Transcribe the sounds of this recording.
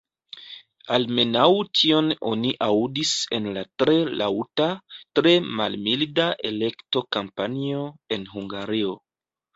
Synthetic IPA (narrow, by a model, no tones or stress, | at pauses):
alme̞nawtʰio̞no̞̰niʔawdise̞nlatɾe̞lʔa̰wtatɾe̞malmildaʔe̞le̞kto̞kampanio̞e̞nɦuŋɡaɾio̞